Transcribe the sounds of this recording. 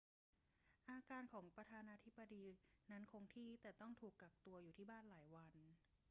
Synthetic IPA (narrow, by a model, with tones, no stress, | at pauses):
ʔaː˧kaː˧nkʰɔː˩˦ŋpɾa˧t̪ʰaː˧naː˧t̪ʰi˦˥bːa˧diː˧na˦˥nkʰo˧ŋt̪ʰiː˥˩t̪ɛː˨˩t̪ɔ˥˩ŋt̪ʰuː˨˩kːa˨˩k̚t̪u˧ɐjuː˨˩t̪ʰiː˥˩baː˥˩nlaː˩˦jwa˧n